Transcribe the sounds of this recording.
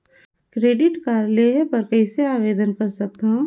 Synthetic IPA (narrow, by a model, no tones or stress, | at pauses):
kɾeːɖɪʈkaːɾleɦpɐɾkɐɪseaːʋeːd̪ənkɐɾsɐk̚t̪aɦũ